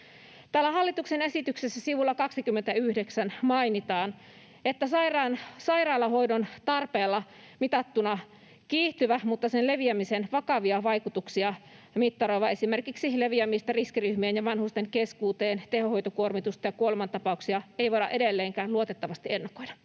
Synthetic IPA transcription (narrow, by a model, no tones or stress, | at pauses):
t̪æːlːæhɑlːit̪uksenesit̪yksesːæsiʋulːɑkɑksikymːent̪æyhdeksænmɑinit̪ɑːn | et̪ːæsɑirɑnsɑirɑːlɑɦo̞idont̪ɑrpeːlːɑ | mit̪ɑt̪ːunɑ | kiːht̪yʋæmut̪ːɑsenle̞ʋiæmisenʋɑkɑʋiɑʋɑjkut̪uksiɑ | mit̪ːɑɾoiʋɑe̞simerkiksile̞ʋiæmist̪ɑriskiryhmiːnjɑʋɑnhust̪eŋkeskuːt̪eːnt̪ehoho̞jt̪okuormit̪ust̪ɑjɑkuolemɑnt̪ɑpɑuksiɑeijʋoɾɑ̰ʔe̞ɾelːeːŋkæːluot̪et̪ːɑʋɑst̪ie̞nːɑkojdɑ